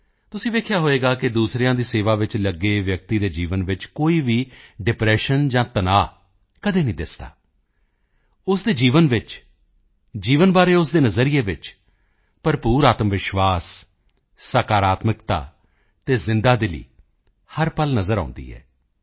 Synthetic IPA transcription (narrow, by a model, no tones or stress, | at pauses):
t̪ʊsĩːʋeːkʰjaːɦoːeːɡaːkɪd̪uːsɾijãːd̪iːseːʋaːʋɪt͡ʃləɡeːʋjək̚t̪iːd̪eːd͡ʒiːʋənʋɪt͡ʃkoːiːʋiːɖɪpɾɛːʃənd͡ʒãːt̪ənaː | kəd̪eːnĩːd̪ɪsd̪a̰ː | ʊsd̪eːd͡ʒiːʋənʋɪt͡ʃ | d͡ʒiːʋənbaːɾeːʊs̬d̪eːnəzəɾijeːʋɪt͡ʃ | pəɾpuːɾaːt̪mʋɪʃʋaːsː | aːkaːɾaːt̪mɪkt̪a̰ː | t̪eːzɪ̃nd̪aːd̪ɪlḭː | həɾpəlnəzəɾã̰ːnd̪ḭːɛ̰ː